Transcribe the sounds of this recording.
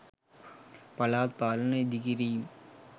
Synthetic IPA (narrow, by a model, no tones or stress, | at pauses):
pɐlaːt̪̚paːlɐnɐɪd̪ɪɣɪɾim